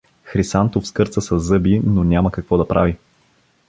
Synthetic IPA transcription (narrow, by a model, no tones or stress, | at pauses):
xɾisant̪ofskɤɾt̪səsɐzːɤbinonʲaməkɐkvɔd̪ɐpɾʔavi